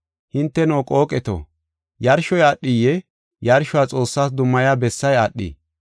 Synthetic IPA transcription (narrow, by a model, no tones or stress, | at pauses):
hɪnt̪ːɛnoːkʼo̞ːkʼɛt̪o̰ | jɐɾʃɔjaɗːijɛ | jɐɾʃʊwaːt͡sʼo̞ːsːaːs̬d̪ʊmːɐjaːbɛsːɐjaɗːḭ